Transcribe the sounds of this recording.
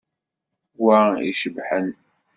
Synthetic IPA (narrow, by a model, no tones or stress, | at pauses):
waḭʃəbħən